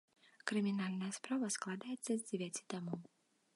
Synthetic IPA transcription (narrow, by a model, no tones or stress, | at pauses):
kɾɨmʲinalʲnɐjɐspɾavɐsklˠad̪ajɛt̪sːɐzʲd͡zʲɛvʲat͡sʲit̪amɔw